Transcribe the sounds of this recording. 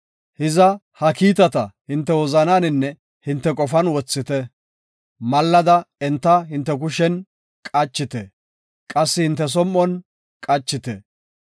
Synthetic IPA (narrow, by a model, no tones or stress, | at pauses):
hɪzɐ | hɐkiːt̪ɐt̪ɐhɪnt̪ːɛwɔzɐnaːnɪnːɛ | hɪnt̪ːɛkʼɔfɐnwɔt͡sːɪt̪ɛ | mɐlːɐd̪ɐɛnt̪ːɐɦɪnt̪ːɛk̬ʊʃɛn | kʼɐt͡ʃːɪt̪ɛ | kʼɐsːɪhɪnt̪ːɛs̬ɔmːɔn | kʼɐt͡ʃːɪt̪ɛ̰